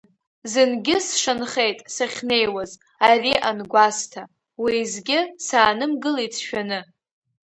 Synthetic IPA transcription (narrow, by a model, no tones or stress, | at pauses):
zɨnɡʲɪsʂɨnχe̞jtʼsaχʲnejwaz | ariʔanɡʷastʰa | wizɡʲɪsaːnɨmɡɨlit͡sʰʃᶣanɨ